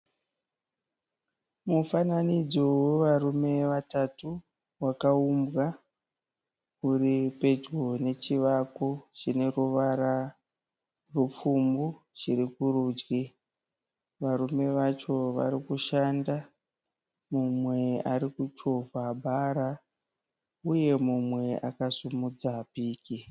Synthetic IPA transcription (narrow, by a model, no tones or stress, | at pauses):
mufananid͡zoweʋarume̞ʋatatu | wakaumbɣa | uripe̞d͡ʒɡone̞t͡ʃiʋakot͡ʃine̞ruʋaɾa | rup͡fumbu | t͡ʃiɾikuɾuːd͡ʒɡi | ʋaɾume̞ʋat͡ʃo̞ʋa̰ɾikuʃanda | mumwe̞aɾikut͡ʃo̞vabʱaɾa | uje̞mumwe̞akasumud͡zapiːki